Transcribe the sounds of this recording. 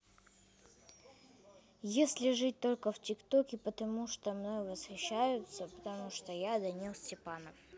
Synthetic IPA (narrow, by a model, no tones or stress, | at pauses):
jesʲlʲɪʐɨt̚ʲt̪o̞lʲkəftʲɪkt̪okʲɪpət̪ɐmuʂt̪omnojvəsxʲɪɕːajʊt̪səpə̥t̪ɐmuʂt̪ojad̪ɐnʲilˠsʲtʲɪpanəf